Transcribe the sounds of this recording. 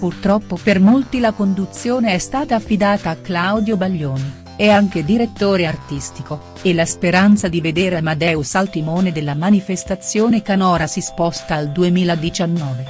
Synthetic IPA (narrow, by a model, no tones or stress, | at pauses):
purt̪ɾɔpːopermolt̪ilakond̪ut̪sːjoːneɛst̪aːt̪aːfːid̪aːt̪aːkːlawd̪jobaʎːoːni | ɛaŋk̟ed̪iɾet̪ːoːɾeart̪ist̪iko | elaspeɾant̪sad̪ived̪eːɾeamad̪ɛːusalt̪imoːned̪elːamanifest̪at̪sːjoːnekanɔːɾasispɔst̪aːld̪uemiːlad̪it͡ʃanːɔːve